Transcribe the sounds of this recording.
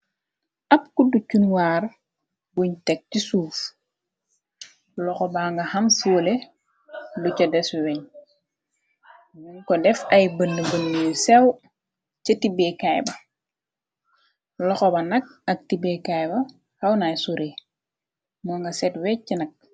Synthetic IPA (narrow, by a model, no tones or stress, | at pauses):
ʔɐpkuducunwaːɾ | buɲtɛk̚cisuːf | lɔxɔbaːŋɡɐhɐmfuːle | lucɐdɛswɛɲ | muɲkɔdɛfɐjbənːəbənːijsɛw | t͡ʃɐtibekajbɐ | lɔxɔbɐnɐk̚ɐk̚tibekajbɐ | hawnajsuɾe | mɔŋɡasɛtwɛcːinɐk̚